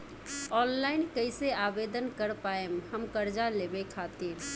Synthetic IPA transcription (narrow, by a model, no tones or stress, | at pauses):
ɔːnlaːɪnkəɪseaːbeːd̪ənkəɾpaːemhəmkəɾd͡ʒaleːbekʰaːt̪iɾ